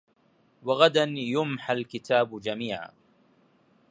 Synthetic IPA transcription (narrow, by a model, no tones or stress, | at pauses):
waɣad̪anjʊmħalkɪt̪aːbd͡ʒamiːʕa̰